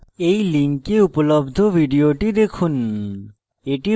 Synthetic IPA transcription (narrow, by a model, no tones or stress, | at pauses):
ejliŋkeupolobd̪ʱobʱiɖioʈid̪ekʰun | eʈi